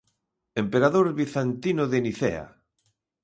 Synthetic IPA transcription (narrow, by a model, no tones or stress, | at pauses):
empeɾaðoɾβiθant̪inoðeniθḛa̰